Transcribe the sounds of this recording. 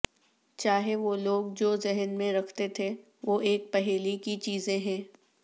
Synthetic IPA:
t͡ʃaːɦeʋoːloːɡd͡ʒoːzɪɦənmẽɾɐkʰt̪et̪ʰe | ʋoːʔeːk̚pɛɦeːlikit͡ʃiːzẽɦɛ̃ː

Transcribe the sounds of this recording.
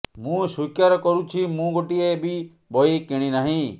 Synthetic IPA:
mũːʃukjaɾɔkɔɾũt͡ʃʰimũɡoʈiebʱi | bɔikɪɽ̃inaɦĩ

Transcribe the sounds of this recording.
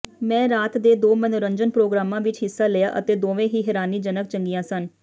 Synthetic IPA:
mɛ̃ːɾaːt̪d̪eːd̪oːmənʊɾəɲd͡ʒənpɾoːɡɾaːmãːʋɪt͡ʃɦɪsːaːleja̰ːʔə̰t̪eːd̪oːʋẽːɦiːɦɛːɾaːniːd͡ʒənək̚t͡ʃəŋɡijãːsən

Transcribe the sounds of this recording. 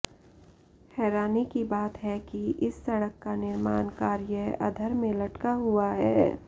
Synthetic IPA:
hɛːɾaːnikibaːt̪ɦɛkiʔɪsːɐɽəkːanɪɾmaːnkaːɾjəɐ̰d̪ʱəɾmẽlɐʈkaɦʊaɦɛː

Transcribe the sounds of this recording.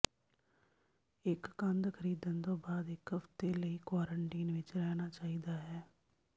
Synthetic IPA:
ɪkːə̃nd̪kʰəɾiːd̪ənt̪õːbaːd̪ɪkɦəft̪eːləiːkwaːɾəɳʈiːnʋɪt͡ʃɾɛːnaːt͡ʃaːiːd̪aːɦɛː

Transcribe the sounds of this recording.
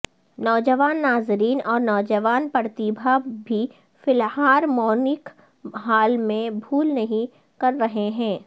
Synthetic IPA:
nɔːd͡ʒəʋaːnːaːzɾiːnɔːɾnɔːd͡ʒəʋaːnpɐɾt̪ibʱabʱi | fɪlhaːɾmɔːnɪk | ɦaːlmẽbʱuːlnɐɦĩ | kɐɾːɐɦeɦɛ̃ː

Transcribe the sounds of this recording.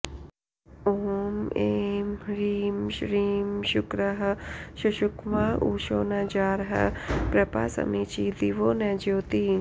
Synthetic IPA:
oːmeːmɾiːmʃɾiːmʃʊkɾəɦɐʃuʃʊkʋaːʔuːʃoːnad͡ʒaːɾɦɐ̰pɾɐpa̰ːsɐ̰mit͡ʃid̪iʋoːnɛːd͡ʒoːt̪i

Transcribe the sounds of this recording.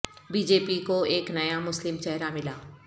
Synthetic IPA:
biːd͡ʒeːpikoeːknɐjamʊslɪmt͡ʃɛɦɾamɪlaː

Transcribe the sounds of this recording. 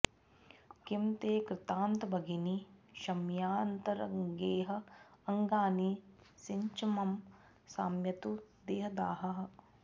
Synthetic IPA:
kimt̪eːkɾɪt̪aːnt̪ɐbɐɡiniʃɐmjaːnt̪ɐɾɐ̰ŋɡeːɦɐ̆ɐŋɡaːnisiɲt͡ʃimɐm | saːmjɐt̪ud̪eːɦɐd̪a̰ːɦɐɦɐ

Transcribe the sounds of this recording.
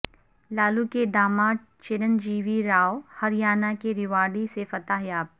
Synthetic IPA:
laːlukeɖ̪aːmã | t͡ʃɪɾənd͡ʒiːʋiɾaːohɐɾɪjaːnakeɾɪʋaːɽisefɐt̪aɦjaːb̚

